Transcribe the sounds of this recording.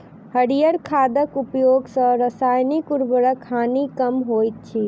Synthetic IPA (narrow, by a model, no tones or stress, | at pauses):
həɽijəɾkʰad̪əkupjoɡsə̃ɾəsajnikuɾbəɾəkʰːanikəmɦojt̪̚t͡ʃʰi